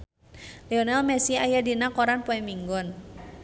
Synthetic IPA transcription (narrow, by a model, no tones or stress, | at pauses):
lɛɔnɛlmɛsiajadinakɔɾanpɔɛmiŋɡɔn